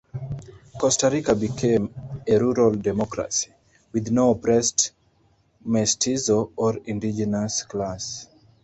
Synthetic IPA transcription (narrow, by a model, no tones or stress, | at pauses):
kɔstaɹikabikʰẽmeɹuɹaldɛmɔkɹa̰si̥ | wiðnopɹɛst | mɛstʰizoɔɹĩndid͡ʒɛnasklas